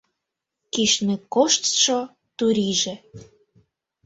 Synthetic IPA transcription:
kiʃnekoʃt̪ʃo | t̪uɾiʒĕ

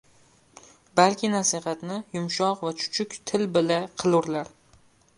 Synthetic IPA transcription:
balkʲʰɪnasihat̪nɪjʊmʃɒqvat͡ʃʰʊ̥t͡ʃʰʊkʲt̪ʰɪlbɪlaqʰɨlˠʊɾlaɾ

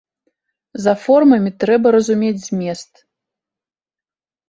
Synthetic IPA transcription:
zɐfɔrmɐmʲit̪ɾɛbɐɾɐzumʲed͡zʲzʲmʲest̪

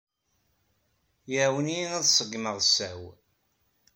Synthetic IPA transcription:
jəwəniinæðsˤəɡːməðˤsːæw

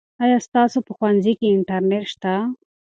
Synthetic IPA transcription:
ɑjɑst̪ɑsopəxwanzikeɪɳʈaɾneʈʃt̪a

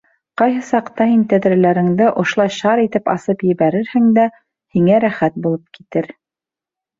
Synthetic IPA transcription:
qɑjɦɤsɑqt̪ɑhint̪æðɾɘ̆læɾɘ̆ŋd̪ɘʔŏʃŏlˠɑjʃɑɾit̪ɘpɑ̰sɤpjɘ̆βæɾɘɾhɘŋd̪æ | hiŋæɾæχæt̪̚bulˠɤp̚ki̥t̪ɘɾ

